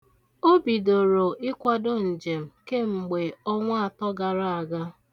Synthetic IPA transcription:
o˦bi˨do˨ɾo˨ʔɪ˦kʷa˦do˦n̩˨d͡ʒe˨m̩˨ke˦ŋ͡m̩˨ɡ͡be˨ɔ˦ŋʷa˦a˨tɔ˦ɡa˨ɾa˦a˨ɡa˦

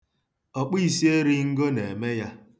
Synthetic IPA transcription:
ɔ˨k͡pi˦i˨si˦e˦ɾi˦ŋ̩˦ɡo˦ne˨me˦ja˦

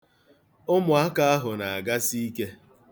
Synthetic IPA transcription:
ʊ˦mʊ˨a˦ka˦a˦ɦʊ˨na˨a˨ɡa˦si˦i˦ke˦

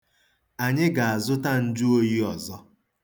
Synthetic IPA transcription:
a˨ɲɪ˦ɡa˨a˨zʊ˦ta˦n̩˦d͡ʒu˦o˦ji˦ɔ˨zɔ˦

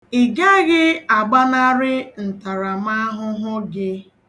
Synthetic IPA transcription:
i˨ɡa˦ɣɪ˦a˨ɡ͡ba˦na˦ɾɪ˦n̩˨ta˨ɾa˨m˦a˦ɦʊ˦ɦʊ˦ɡɪ˦

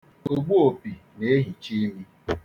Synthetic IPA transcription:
o˦ɡ͡bu˦o˨pi˨ne˨e˦ɦi˨t͡ʃi˦mi˦

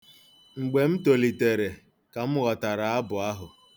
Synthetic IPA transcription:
ŋ͡m̩˨ɡ͡be˨m̩˦to˨li˨te˨ɾe˨ | ka˨m̩˦ɣɔ˨ta˨ɾa˨a˦bʊ˨a˦ɦʊ˨

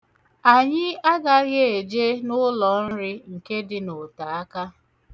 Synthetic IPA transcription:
a˨ɲɪ˦a˦ɡa˦ɣje˦e˨d͡ʒe˦nʊ˦lɔ˨n̩˦ɾɪ˦ŋ̩˨ke˦dɪ˨no˨ta˨a˦ka˦

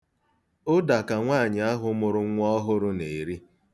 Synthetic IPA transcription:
ʊ˦da˨ka˨ŋʷaː˦˨ɲɪ˨a˦ɦʊ˦mʊ˨ɾʊ˦ŋʷ˦ɔ˦ɦʊ˦ɾʊ˦ne˨ɾi˦

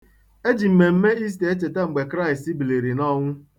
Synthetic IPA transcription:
e˦d͡ʒi˨m̩˨me˨m̩˦me˦i˦s̬te˨e˦t͡ʃe˨te˦ŋ͡m̩˨ɡ͡be˨kɾa˦ɪ˨sti˦bi˨le˨ɾi˨nɔ˦ŋʷʊ˦

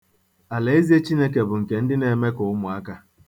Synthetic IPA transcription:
a˨le˨e˦zi˦e˦t͡ʃi˦ne˦ke˨bʊ˨ŋ̩˨ke˨n̩˦dɪ˦ne˨me˦kʊ˨ʊ˦mʊ˨a˦ka˦

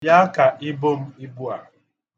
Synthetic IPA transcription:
ja˦a˦ka˨ʔɪ˦bo˦m̩˦i˦bu˦a˨

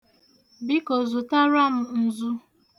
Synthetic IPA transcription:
bi˦ko˨zu˨ta˦ɾa˦m̩˨n̩˨zu˦

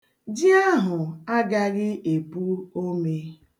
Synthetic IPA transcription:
d͡ʒɪ˦a˦ɦʊ˨a˦ɡa˦ɣɪ˦ʔe˨bu˦o˦me˦

